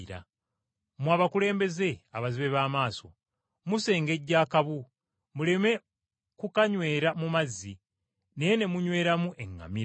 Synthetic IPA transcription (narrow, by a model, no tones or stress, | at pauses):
ɾa̰ | mwaːβakule̞ːmbe̞ze̞aβaziβe̞βaːmaːso̞̰ | muse̞ːŋɡe̞ɟːaːkaβu | mule̞me̞ | kukaɲwe̞ːɾamumazi | nejene̞muɲwe̞ːɾamuʔe̞ŋːa̰miɾ